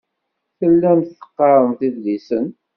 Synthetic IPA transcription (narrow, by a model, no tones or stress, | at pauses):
θəlːænθə̥qːɑɾˤənθiðlisən